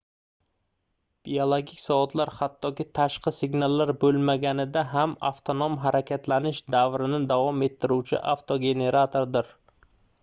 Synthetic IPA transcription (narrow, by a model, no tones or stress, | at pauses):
b̥iolˠoɡʲɪkʲsɒvɒt̪ʰlaɾhat̪ʰːɒkʲɪt̪ʰaʃqʰɨsɪɡnalːaɾbɵlˠmaɡʲanɪd̪aɦama̰ft̪ʰonomɦaɾakʲʰat̪lanɪʃd̪avɾɪnɪd̪avɒme̞t̪ʰːɪɾuwt͡ʃʰɪ̰ʔaft̪ʰoɡʲe̞ne̞ɾat̪ʰoɾd̪ɪɾ